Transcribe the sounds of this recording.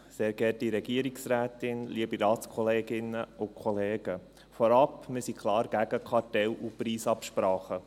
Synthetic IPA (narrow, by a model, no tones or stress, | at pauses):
seːɾɡɛtiɾɛɡ̥iəɾiksɾæːtɪnliəbiɾɑːtskʰɔleːɡɪnəʊkʰχɔleːɡ̥ə | fɔɾɑpmɪsikʰχlɑːɾɡ̥æɡəkʰɑtɛlupɾiːsɑpʃpɾɑːχə